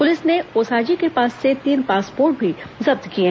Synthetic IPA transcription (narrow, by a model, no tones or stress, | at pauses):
pʊlɪsneoːsaːd͡ʒikepaːsːet̪iːnpaːspoːɾʈ̚bʱizɐb̚t̪kie